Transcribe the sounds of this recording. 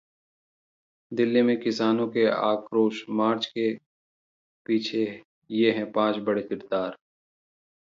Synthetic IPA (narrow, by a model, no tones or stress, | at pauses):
d̪ɪlːimẽkɪsaːnõkeaːkɾoːʃmaːɾt͡ʃke | piːt͡ʃʰe | jeɦɛ̃pãːt͡ʃbɐɽekɪɾd̪aːɾ